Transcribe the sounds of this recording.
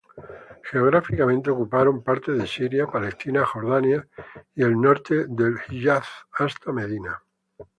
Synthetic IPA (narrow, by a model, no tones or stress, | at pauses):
xeo̞ɣ̞ɾafikamẽ̞nt̪eokupaɾo̞mpaɾt̪eðesiɾjapale̞st̪inaxo̞ɾðanjaie̞lno̞ɾt̪eðe̞lxiʎaθast̪ame̞ðina̰